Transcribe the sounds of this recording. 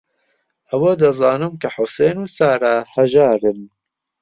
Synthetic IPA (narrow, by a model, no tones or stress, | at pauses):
ɐwoːd̪ɐzɑːnɨmkʰɐħʊseːnuːsaːɾaːhɐʒaːɾɨn